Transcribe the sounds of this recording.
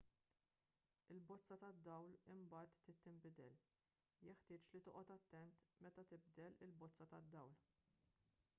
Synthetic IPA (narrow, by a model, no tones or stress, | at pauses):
ɪlbɔt͡sːɐt̪ɐd̪ːɐwlɪmbɐːt̪ːɪt̪ːɪmbɪd̪ɛl | jɛħt̪ɪːt͡ʃlit̪ɔːʔɔt̪ɐt̪ːɛnt̪mɛt̪ɐt̪ɪbd̪ɛlɪlbɔt͡sːɐt̪ɐd̪ːɐwl